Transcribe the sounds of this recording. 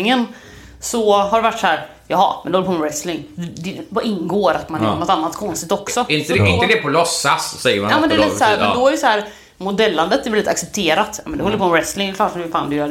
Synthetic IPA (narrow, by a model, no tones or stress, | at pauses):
ɪŋən | sɔhaɖɛvaʈːshæːɾ | jɑːɦɑ̰mɛnd̪ɛhɔd̪ɾpʰɔmːɛɾɛslɪŋd̪d̪ɛvɑʔɪnːɡoːɾat̪manjnɔt̪anːat̪kʰɔnst̪ɪkt̪ɔksɔɪnt̪ɪnəd̪ɛpɔlɔsːassɛjːəɾmanɑːmɛnd̪ɛɾlit̪ːsɔæːmɛnd̪ɔæɾjəsɔhæːɾ | mʊd̪ɛlːand̪ət̪ɛɾvɛliːt̪a̰ksɛp̚t̪ʰeːɾat̪ːjɑ̰ːmɛnɛhɔlːəɾpʰɔmɛɾɛslɪŋɛklɑːʈ̪ɪfaːnd̪ʉjœː